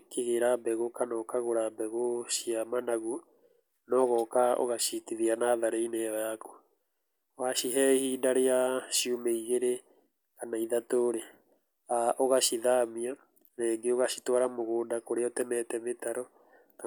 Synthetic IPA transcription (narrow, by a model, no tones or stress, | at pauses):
keɣeɾabɛɣokanɔkaɣoɾabɛɣoʃiamanaɣu | nɔɣɔkao̰ɣaʃitiðianaðaɾeineβaako̥ | waʃiɦɛhiːdaɾeaʃjumeiɣeɾe | kanaiðatoɾe | aʔoɣaʃiðamia | naːŋɡeoɣaʃi̥twaɾamoɣoːndakoɾeɔtɛmɛtɛmetaɾɔ | ka